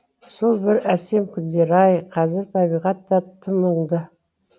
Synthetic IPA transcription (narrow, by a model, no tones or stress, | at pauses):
so̞lˠbɪɾæse̞mkʲʰʏnd̪e̞ɾɑjqʰɑzɪɾt̪ʰɑβijʁɑt̪ːɑt̪ʰəməɴd̪ə